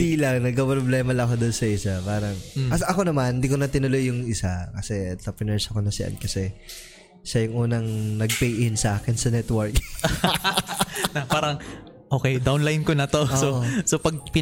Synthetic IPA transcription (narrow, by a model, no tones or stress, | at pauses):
iːlɐŋnɐɡ̚kɐpɾoblɛːmɐlɐŋkod̪onsɐʔɪsapaːɾɐŋɐsʔɐko̞nɐmanhɪnd̪iːkonɐt̪ɪnɐlo̞jːʊŋʔɪsakɐsɛt̪ɐpɛnɛɹsɐko̞nɐsɪ̰ʔɐ̰nkɐsɛ | ʃɐjʊŋʔuːnɐŋnɐɡ̚pejʔɪnsɐʔaːkɪnsɐnɛt̪wɐɹk̚ | nɐpaːɾɐŋ | ʔoːkɛjd̪awnlajnkonɐt̪oʔosoosopɐɡ̚pɪ